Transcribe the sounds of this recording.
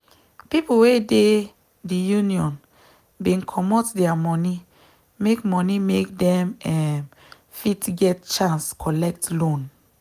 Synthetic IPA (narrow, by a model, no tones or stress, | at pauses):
pipowede | dijuniɔ̃n | bĩnkʰɔmɔtdɛamɔni | mekmɔnimek̚dɛ̃mɛm | fitɡɛt̚t͡ʃãnskʰɔlɛk̚tlõn